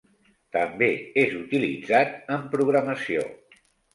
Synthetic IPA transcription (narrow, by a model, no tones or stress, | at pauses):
t̪əmbeezut̪ilḭd͡zat̪əmpɾuɣɾəməsio̰